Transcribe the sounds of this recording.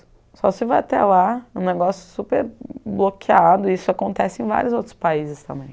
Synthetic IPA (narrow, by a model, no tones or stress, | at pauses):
sɔsɪvajat̪ɛ̰laũneɡɔsjʊsupeɾblokʰiad̪ʊisʊakõnt̪ɛsɪẽj̃va̰ɾjʊzowt̪ɾʊ̥spaizɪst̪ɐ̰̃mbẽj̃